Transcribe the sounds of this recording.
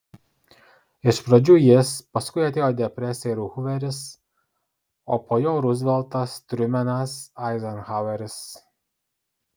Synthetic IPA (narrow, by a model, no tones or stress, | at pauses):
ɪʃpɾɐd͡ʒʲuːjɪspɐskʊɪɐt̪ʲeːjoːd̪ʲɛpʲɾʲɛsʲɛɛɾuːxʊʋʲɛɾʲɪs | oːpoːjoːɾʊzʲʋʲɛlˠt̪ɐst̪ʲɾʲʊmʲɛnɐsɑɪzɐnxaʊɛɾʲɪs